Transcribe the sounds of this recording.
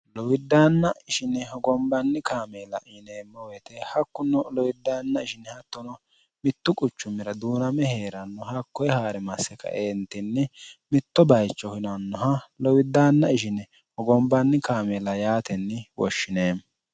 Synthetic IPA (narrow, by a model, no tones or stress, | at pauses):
lɔwɪd̪ːaːnːɐɪʃɪnɛɦɔɡɔmbɐnːɪkaːmeːlɐ̰ʔɪneːmːɔwɛt̪ɛhɐkːʊnːɔlɔwɪd̪ːaːnːɐɪʃɪnːɛhɐt̪ːɔnɔ | mɪt̪ːʊkʼʊt͡ʃːʊmːɪɾɐd̪uːnɐmɛhe̞ːɾɐnːɔɦɐkːɔjɛhaːɾɛmɐsːɛkɐ̰ʔeːnt̪ːɪnːɛmɪt̪ːɔbɐjt͡ʃːɔkɪnɐnːɔɦɐlɔwɪd̪ːaːnːɐɪʃɪnɛ | hɔɡɔmbɐnːɪkaːmeːlɐjaːt̪ɛnːɪwɔ̰ʃːɪneːm